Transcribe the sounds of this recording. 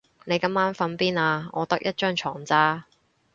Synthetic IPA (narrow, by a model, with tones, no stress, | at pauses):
ne˨˧jkɐ˧˥maː˥nfɐ˨˥npiː˥naː˧ŋɔː˨˧t̪ɐ˥k̚jɐ˥t̚t͡ʃœː˥ŋt͡ʃʰɔ̰ː˨˩ŋt͡saː˥